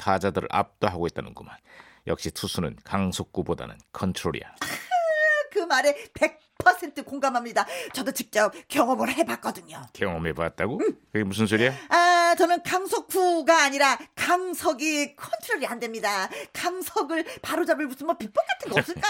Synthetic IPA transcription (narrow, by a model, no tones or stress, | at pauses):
tʰad͡ʑadɯɾɯ̰ʔa̰p̚t͈oɦaɡoɦet̚t͈anɯnɡuman | jʌ̰k̚ɕ͈itʰusʰunɯnkaŋsʰok̚k͈uboda̰nɯ̰nkʰʌntʰɾoɾḭa̰a | kɯmaɾe̞pe̞k̚pʰʌsʰe̞ntʰɯkoŋɡamɦamɲidat͡ɕʌdot͡ɕik̚t͡ɕ͈ʌp̚k͈jʌŋʌmɯɾɦe̞bak͈ʌdɯɲokjʌŋʌmɦebadat̚t͈aɡokɯɡemus̬ʰɯns̬ʰoɾijaat͡ɕʌnɯnkaŋsʰok͈̚uɡaːɲiɾakaŋsʰʌɡikʰʌntʰɯɾoɾiɦandwe̞mɲidakaŋsʰʌɡɯɭpaɾod͡ʑabɯɭbus͈ʰɯnmʌpip͈ʌk͈atʰɯnɡeʌp̚s͈ɯɭk͈a